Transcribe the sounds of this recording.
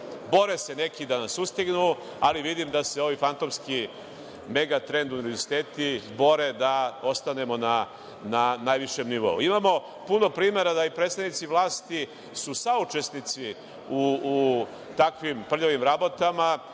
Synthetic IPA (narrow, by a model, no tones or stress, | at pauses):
bo̞ɾese̞ne̞kid̪anasust̪iɡnu | aliʋid̪imd̪ase̞o̞ʋifant̪omski | me̞ɡat̪ɾe̞nd̪uniʋe̞ɾzsit̪eːt̪ibo̞ɾe̞d̪ao̞st̪ane̞mo̞na | nanajʋiʃe̞mniʋo̞̰ṵimamo̞ | puno̞pɾiːme̞ɾad̪aipɾet̪st̪avnit̪siʋlˠaːst̪i | susaut͡ʃe̞snit̪si | u | t̪akʋimpr̩ʎoʋimɾabot̪ama